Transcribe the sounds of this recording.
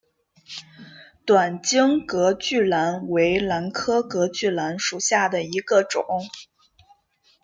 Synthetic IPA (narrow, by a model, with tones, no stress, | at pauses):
t̪wa˨˩nt͡ɕi˥ŋkɤ˧˥t͡ɕy˥˩la˧˥nwe˧˥ɪla˧˥nkʰɤ˥kɤ˧˥t͡ɕy˥˩la˧˥nʂu˨˩ɕja˥˩d̪ə˩i˧˥ɡə˧ʈ͡ʂʊ̰˨˩˦ŋ